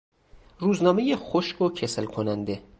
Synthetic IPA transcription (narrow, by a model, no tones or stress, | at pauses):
ruːznɒːmejexoʃɡocʰeslkʰonænd̪e